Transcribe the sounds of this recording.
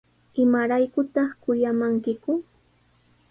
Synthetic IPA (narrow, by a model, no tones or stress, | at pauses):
ɪmaɾajkʊt̪ɑχkʊjamaŋkɪkʊ